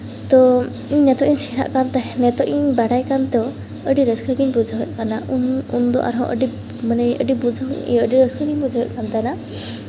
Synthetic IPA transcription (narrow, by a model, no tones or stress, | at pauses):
t̪ɔ | iɲnɛt̪ɔʔiɲsiɾa̰ʔkant̪ɛnɛt̪ɔʔiɲbaɽajkant̪ɔ | əɖiɾəskəɡiɲbud͡ʒʱaɦɛʔ̚kanaʔunund̪ɔ̰ʔa̰ɾɦɔ̰̃ʔə̰ɖi | manɛə̰ɖibud͡ʒʱaɦʔḭəɖiɾəskʰəɡiɲbud͡ʒʱaɦɛʔkant̪ana